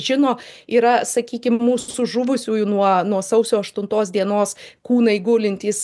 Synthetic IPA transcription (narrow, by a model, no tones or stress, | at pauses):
ʒʲɪnoːiːɾɐsɐkʲiːkʲɪmmuːsʊsʊʒʊʋʊsʲuːjʊnuɔnuɔsɐʊsʲoːɐʃt̪ʊnt̪oːsd̪ʲiɛnoːskuːnɐɪɡʊlʲɪnʲt̪ʲiːs